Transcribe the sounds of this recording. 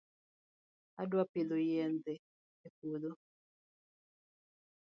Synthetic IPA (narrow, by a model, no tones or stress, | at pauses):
adwapilojɛnt̪ɛ | ekulo